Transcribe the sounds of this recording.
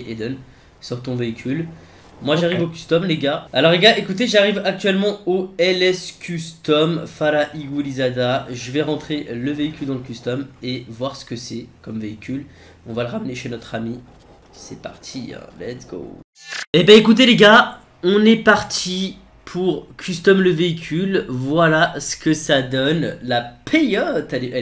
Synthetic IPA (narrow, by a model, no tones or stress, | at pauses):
ʔed̪ɛn | syʁt̪ɔ̃veikʲyl | mwaʒaʁivokʲyst̪ɔmleɡaalɔʁleɡaʔekut̪eʒaʁivak̚t̪ɥɛlmɑ̃oɛlɛskʲyst̪ɔmfaɾaʔiɡulizad̪aʒəvɛʁɑ̃t̪χeləveikʲyld̪ɑ̃ləkʲyst̪ɔmevwaʁsə̥kəsɛkɔmveikʲyl | ɔ̃valəʁamneʃenɔt̪χami | sɛpa̰ʁt̪ʰiɛ̰̃lɛ̰t̪sɡ̥o̰ | ebɛ̃ekut̪̬eleɡa | ɔ̃nɛpaʁt̪ʰi | pʰuʁkʲʰyst̪ɔmləveikʲʰylvwalasə̥kəsad̪ɔnlapʰejɔt̪aleʔɛ